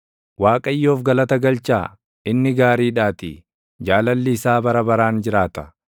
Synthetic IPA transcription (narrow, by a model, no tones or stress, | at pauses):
waːkʼɐjːo̞ːfɡɐlɐt̪ɐɡɐlt͡ʃaː | ɪnːɪɡaːɾiːᶑaːt̪ɪ̰ | d͡ʒaːlɐlːiːsaːbɐɾɐbɐɾaːnd͡ʒɪɾaːt̪ɐ